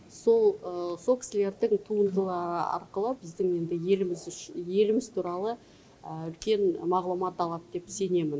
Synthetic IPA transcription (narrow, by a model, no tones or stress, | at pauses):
so̞lˠəso̞lˠkʲʰɪsɪle̞ɾd̪ɪŋt̪ʰuənd̪əlˠɑɾəɑ̰ɾqəlˠəbɪzd̪ɪŋe̞nd̪ɪjelmɪzʃje̞lɪmɪzt̪ʰuɾɑlˠə | əʏlkʲe̞nmɑʁlˠumɑt̪ɑlˠɑt̪d̪e̞pse̞ne̞mɪn